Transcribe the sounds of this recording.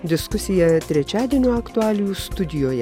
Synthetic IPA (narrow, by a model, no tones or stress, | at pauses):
d̪ʲɪskʊsʲɪjɛt̪ʲɾʲɛt͡ʃʲæːd̪ʲiɛnʲuːɐkt̪ʊæːlʲɪjuːst̪ʊd̪ʲɪjoːjɛ